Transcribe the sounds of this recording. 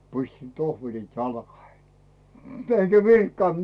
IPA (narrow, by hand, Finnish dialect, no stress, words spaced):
pisʲtin tohʋelit jɑlkɑhei eŋɡ̊æ ʋirkːɑnt